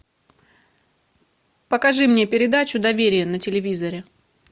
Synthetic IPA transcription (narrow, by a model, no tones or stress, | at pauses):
pəkɐʐɨmnʲe̞pʲɪɾʲɪd̪at͡ɕʊd̪ɐvʲeɾʲɪjənətʲɪlʲɪvʲizəɾʲɪ